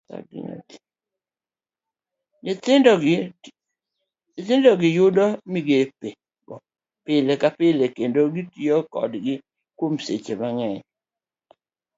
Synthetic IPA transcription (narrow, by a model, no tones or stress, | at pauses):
ta̰ɡɪ̰ɲo̰t | tɪd | tɪndɔɡɪjʊdɔmiɡepe | ɡɔ | pɪlekapɪlekendoɡitiɔkɔ̰dɡɪ | kwomsḛt͡ʃemaŋɛɲ